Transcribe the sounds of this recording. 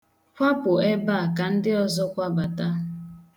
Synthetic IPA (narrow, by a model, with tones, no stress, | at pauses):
kʷa˦pʊ˨e˦ba˦˨ka˨n̩˦dɪ˦ɔ˨zɔ˦kʷa˦ba˨ta˦